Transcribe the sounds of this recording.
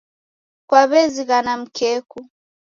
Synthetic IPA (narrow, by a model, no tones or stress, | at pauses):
kwaβɛziɣanam̩kɛku